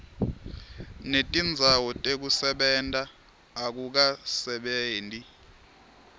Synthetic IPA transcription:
netʼind͡zʱawɔtʼek̬usɛɓɛntʼaː | k̬uk̬asɛɓeːntʼi

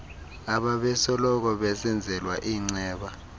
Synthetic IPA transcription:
aɓaɓɛsɔlɔk̬ɔɓɛsɛnd͡zʱɛlwaʔiːŋ͡ǀɛːɓa

